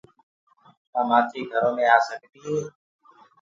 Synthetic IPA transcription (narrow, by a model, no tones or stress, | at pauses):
t̪aːmaːtiːɡʱəɾõːmẽːaːsəkd̪iːɦeː